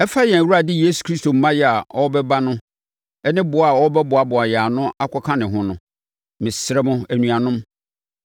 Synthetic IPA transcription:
ɛ˦fa˦jɛ̃˨æ˨wu˦ɾa˨dɪ˦je˦su̥˨kʰɾi˦sto˨m̩˦mã˦jɛ˨a˨ɔ˦bɛ˦ba˦nʊ̃˦ | ɛ˦nɪ̃˦bʊ˨˦a˨ɔ˦bɛ˦bʊ˨a˨bʊ˨a˨jɛ˨a˨nʊ̃˦a˦kʰɔ˦kʰã˦nɪ̃˨ɦʊ̃˦nʊ̃˦ | mɪ̃˨sɾɛ˦mʊ̃˦æ˨nũ˨a˨nʊ̃˦m

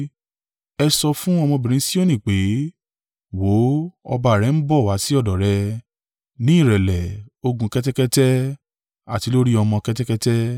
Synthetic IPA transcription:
ɛ˧sɔ˧fũ˦ɔ˧mɔ̃˧bĩ˨ɾ̃ĩ˨˦si˦o˦nĩ˦˨k͡pe˨˦ | wo˨˦ɔ̰˧ba˧˨ɾɛ˨˧˦n̩˦bɔ˦˨wa˨˦si˦ɔ˦˨dɔ˨ɾɛ˧ | nĩ˦i˦˨ɾɛ˨lɛ˨o˧ɡũ˧kɛ˦tɛ˦kɛ˦tɛ˦ | a˦˨ti˨˦lo˦ɾi˦ɔ˧mɔ̃˧kɛ˦tɛ˦kɛ˦tɛ˦

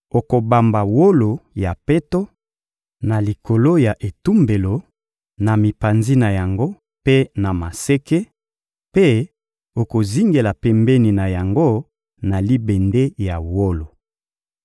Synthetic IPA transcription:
o˨ko˨ba˨mba˨wo˦lo˨ja˨pe˦to˦ | na˨li˨ko˨lo˦ja˨ʔe˨tu˦mbe˨lo˨ | na˨mi˨pa˨nzi˦na˨ja˨ŋɡo˦ | pe˦na˨ma˨se˦ke˦ | pe˦ | o˨ko˨zi˦ŋɡe˨la˨pɛ˨mbɛ˦ni˨na˨ja˨ŋɡo˦ | na˨li˦bɛ˨nde˦ja˨wo˦lo˨

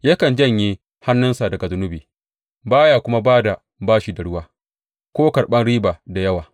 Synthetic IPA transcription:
jɐ˦kɐ˨nd͡ʒɐ˦˨ɲji˦ | ha˦nːʊ˦nsa˨dɐ˨ɡa˨zʊ˦nʊ˦biː˨ | baː˦jaː˨kʷʊ˦ma˦baː˦da˨ | baː˦ʃiː˨da˨ɽʊ˦waː˦ | kʷoː˦kɐ˨ɾɓɐ˦nɽiː˦baː˨da˨jɐ˦waː˨

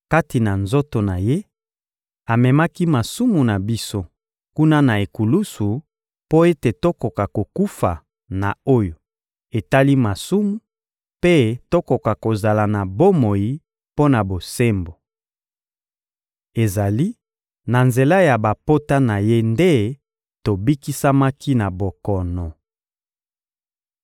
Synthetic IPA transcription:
ka˦ti˨na˨nzo˦to˨na˨je˦ | a˨mɛ˨ma˦ki˦ma˨su˦mu˨na˨bi˦so˦ | ku˦na˦na˨e˨ku˨lu˦su˨ | po˦e˦te˨to˦ko˨ka˨ko˨ku˦fa˨ | na̰˨o˦jo˨ | e˨ta˦li˦ma˨su˦mu˨ | pe˦to˦ko˨ka˨ko˨za˨la˨na˨bo˦mo˨ji˦ | po˦na˨bo˨se˦mbo˨ | e˨za˨li˦ | na˨nze˨la˦ja˨ba˨po˦ta˦na˨je˦nde˦ | to˨bi˦ki˦sa˦ma˦kʰi˦na˨bo˨kɔ˨nɔ˨

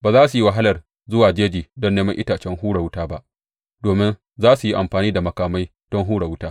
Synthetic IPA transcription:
baː˨zaː˦su˨ji˦wa˨ɦa˦lɐ˨r | zʊ˦waː˨d͡ʒeː˦d͡ʒiː˨dɔ˦nːeː˦mɐ˦ŋʔɪ˦taː˨t͡ʃɛ˦ŋɦuː˦ɽa˨wʊ˦taː˦ba˦ʔ | doː˨mɪ˦n | zaː˦su˨ji˦ʔa˨mɸaː˨niː˦da˨mɐ˨kaː˨ma˦j | d̥ɔ˦ŋɦuː˦ɽa˨wʊ˦taː˦

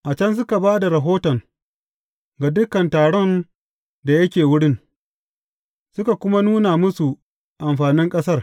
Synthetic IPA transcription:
ʔa˨t͡ʃɐ˦ns̬ʊ˦ka˨baː˦da˨ɾa˨ɦoː˦tɔ˨ŋ | ɡa˨dʊ˦kːɐ˨ntaː˨ɽɔ˦n | da˨jɐ˦kʲeː˨wʊ˦ɽɪ˦ŋ | sʊ˦ka˨kʷʊ˦ma˦nuː˦na˨mʊ˦su˨ | ʔa˨mɸaː˨nɪ˦ŋkʼɐ˦sɐ˦r

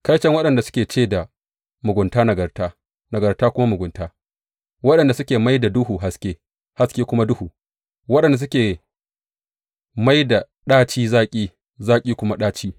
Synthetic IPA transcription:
ka˦jt͡ʃɐ˦ŋwɐ˦ɗɐ˨nda˨sʊ̥˦kʲeː˨t͡ʃeː˦˨da˨ | mʊ˨ɡʷʊ˨ntaː˦nɐ˨ɡɐ˨rtaː˦ | nɐ˨ɡɐ˨rtaː˦kʷʊ˦ma˦mʊ˨ɡʷʊ˨ntaː˦ | wɐ˦ɗɐ˨nda˨sʊ˦kʲeː˨ma˦jda˨dʊ˦huː˨ɦa˦skʲeː˦ | ha˦skʲeː˦kʷʊ˦ma˦dʊ˦huː˨ | wɐ˦ɗɐ˨nda˨s̬ʊ˦kʲeː˨ | ma˦jda˨ | ɗaː˦t͡ʃiː˦zaː˦kʲʼiː˦ | zaː˦kʲʼiː˦kʷʊ˦ma˦ɗaː˦t͡ʃiː˦

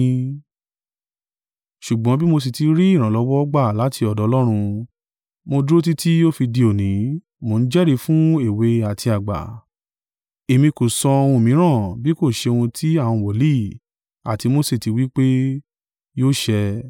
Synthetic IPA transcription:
ʃu˨ɡ͡bɔ̃˨˦bi˦mo˧s̬i˨ti˧ɾi˦i˦˨ɾ̃ã˨lɔ˨˦wɔ˦ɔ˦ɡ͡ba˦˨la˨˦ti˧ɔ˨dɔ˨˦˧lɔ˦ɾ̃ũ˧ | mo˧du˦o˦t̬i˦ti˦jo˦fi˧di˧o˨nĩ˨˦ | mo˧ñ̩˦d͡ʒɛ˦ɾi˧fũ˦e˦˨we˧a˨tʰi˧a˨ɡ͡ba̰˨ | e˨mĩ˧ku˨sɔ˧o˧wũ˧˨mĩ˨˦ɾ̃ã˦˨bi˦ko˦˨ʃe˧o˧wũ˧tʰi˦ã˦˨ɔ̃˧wɔ˨li˦˨ | a˨ti˧mo˧se˦˨ti˨˧wi˦k͡pe˦ | joː˦ʃɛ˧

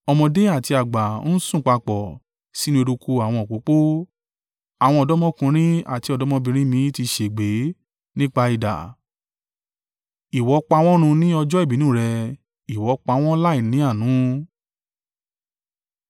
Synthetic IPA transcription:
ɔ˧mɔ̃˧de˦a˦˨ti˧a˨ɡ͡ba˨˦n̩˦sũ˦˨k͡pa˧k͡pɔ˨ | si˦nĩ˧o˧ɾu˧ku˧a˨w̃ɔ̃˧ɔ˨k͡po˨˦k͡po˦ | a˨w̃ɔ̃˧ɔ˧dɔ˦mɔ̃˦kũ˧ɾ̃ĩ˦a̰˦˨ti˧˦ɔ˧dɔ˦mɔ̃˦bĩ˧ɾ̃ĩ˦mĩ˧˦ti˧ʃe˨ɡ͡be˨˦ | nĩ˦k͡pa˧i˨da̰˨ | i˨wɔ˨˦k͡pa˧w̃ɔ̃˦ɾ̃ũ˧nĩ˦ɔ˧d͡ʒɔ˦i˦˨bi˨˦n˦ũː˦˨ɾɛ˧ | i˨wɔ˨˦k͡pa˧w̃ɔ̃˦la˦i˦˨nĩ˨˦a˦˨nũ˨˦

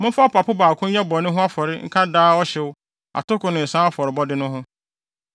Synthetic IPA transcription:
mʊ̃˦fa˦pʰa˨pʰʊ˦baː˨kʰʊ̃˦jɛ˦bɔ˨nʊ̃˦ɦʊ̃˦a˦fɔ˨ɾɪ˦ŋ̩˦kʰa˦daː˦ɔ˦ɕɛ˨wʊ˦ | a̰˨tʊ˦kʊ̃˨nʊ̃˨n̩˨sã˦a˦fɔ˨ɾɪ˨bɔ˦dɪ˦nʊ̃˦ɦʊ̃˦

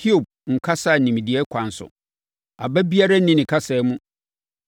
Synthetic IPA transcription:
kʰi˦o˨b̚ŋ̩˨kʰa˦sa˦˨nĩ˨m˨dɪ˨ɛ˦kʷʰã˨n˨sʊ̰˨ | a˨bæ˦bi˦a˦ɾa˦nĩ˦nɪ̃˨kʰa˦sɛː˨˦mũ˦

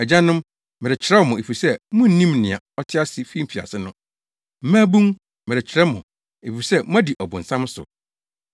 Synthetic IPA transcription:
ɛ˨d͡ʑã˦nʊ̃˦m | mɪ̃˨ɾɪ˨t͡ɕʰɪ˨ɾɛ˦wɔ˨mʊ̃˨e˨fi˨sɛ˦mʊ̃˦n̩˦nĩ˦mnɪ̃˨a˨ɔ˦tʰɪ˦a˦sɪ˨fi˦m̩˨fi˨a̰˨sɪ˦nʊ̃˦ | m̩˦mãː˦bũ˦ŋ | mɪ̃˨ɾɪ˨t͡ɕʰɪ˨ɾɛ˦mʊ̃˨ | e˨fi˨sɛ˦mʊ̃˦æ˦di˨ʔɔ˨bʊ̃˨n̩˨sã˦m˦sʊ̰˨

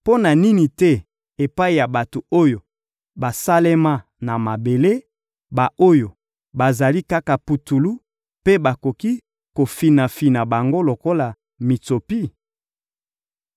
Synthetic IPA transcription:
po˦na˨ni˦ni˨tɛ˦ | e˨pa˦i˨ja˨ba˨to˨o˦jo˨ | ba˨sa˦le˦ma˦ | na˨ma˨be˨le˦ | ba˨ʔo˦jo˨ | ba˨za˨li˦ka˦ka˨pu˨tu˨lu˦ | pe˦ba˨ko˨ki˦ | ko˨fi˨na˨fi˨na˨ba˨ŋɡo˦lo˨ko˦la˨ | mi˨to˨pi˦

